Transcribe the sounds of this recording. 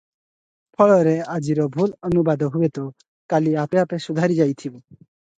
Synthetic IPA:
pʰɔɭɔɾead͡ʒiɾɔbʱulɔnubad̪ʱɔɦuet̪ɔ | kaliapeapesud̪ʱaɾid͡ʒajt̪ʰibɔ

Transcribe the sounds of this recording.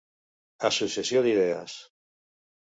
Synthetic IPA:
asusesjoðiðeas

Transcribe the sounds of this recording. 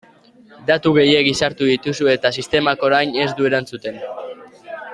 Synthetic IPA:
d̪at̪uɣe̞je̞ɡisaɾt̪uðit̪usue̞t̪asist̪e̞mako̞ɾajne̞zd̪ue̞ɾant͡sut̪e̞n

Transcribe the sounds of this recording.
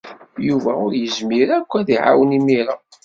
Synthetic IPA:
juvæʊɾjəzmiɾækʷːæðiʕa̰wənimiɾa

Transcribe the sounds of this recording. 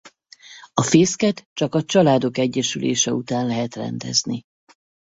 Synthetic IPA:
ɒfeːskɛt̪t͡ʃɒkɒt͡ʃɒlaːd̪o̞kɛɟːɛʃylʔḛːʃɛut̪aːnlɛɦɛt̪rɛ̰nd̪ɛ̰zni

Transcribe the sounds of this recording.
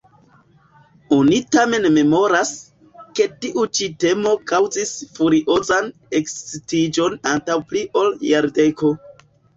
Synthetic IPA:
onitame̞nme̞mo̞ɾas | ke̞tiʔut͡ʃite̞mo̞kawzisfuɾiʔo̞zan | e̞kssitid͡ʒo̞nantawpliʔo̞ljaɾde̞ko̞

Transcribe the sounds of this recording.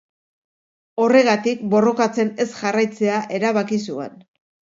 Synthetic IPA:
o̞re̞ɣ̞at̪ik̚bo̞ro̞kat͡se̞ne̞sʝarajt͡se̞aʔe̞ɾaβakis̬ue̞̰n

